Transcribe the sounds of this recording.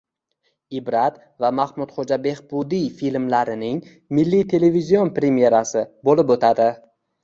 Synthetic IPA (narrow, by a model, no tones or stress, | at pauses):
ɪbɾat̪ | vamahmʊd̪χod͡ʒabe̞hbʊd̪ijfilmlaɾɪnɪŋ | mɪlːit̪ʰe̞le̞vizio̞npɾe̞mije̞ɾasɪbolɪpot̪ʰad̪ɪ